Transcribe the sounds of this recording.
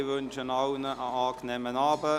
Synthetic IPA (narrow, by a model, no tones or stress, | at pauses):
ʋønt͡ʃənawnəʔəɑːknɛmənɑːbə